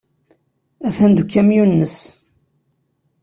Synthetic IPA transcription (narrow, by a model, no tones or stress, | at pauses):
æθænd̪ukːæmjunːəs